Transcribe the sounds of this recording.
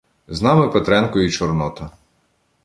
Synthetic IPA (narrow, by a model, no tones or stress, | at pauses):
znɑmɪpɛt̪ɾɛnkɔjit͡ʃɔɾnɔt̪ɐ